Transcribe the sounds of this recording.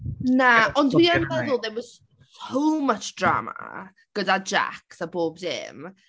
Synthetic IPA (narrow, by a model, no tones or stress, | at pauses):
naɔndwianbɛðʊlˠðɛwɔz̥ | sowmət͡ʃd̥ra̰ːma̰ | ɡ̥ədad͡ʒa̰ksaboːb̚dɪ̰m